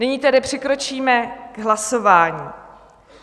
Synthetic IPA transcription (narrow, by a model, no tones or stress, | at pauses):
nɪɲiːt̪ɛdɪpr̝̥ɪkɾo̞t͡ʃiːmɛɡ̥ɦlaso̞vaːɲiː